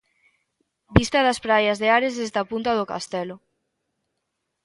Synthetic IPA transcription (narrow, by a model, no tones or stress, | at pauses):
bist̪ɐðɐspɾajɐzðeaɾezðezd̪apunt̪ɐðoka̰st̪ɛlʊ